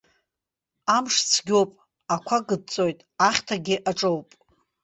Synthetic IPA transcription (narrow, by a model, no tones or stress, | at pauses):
amʂt͡sʰɡʲo̞wpʼ | akʷʰaɡɨd̚t͡sʼo̞jtʼaχʲtʰaɡʲɪʔaʈ͡ʂʼowpʼ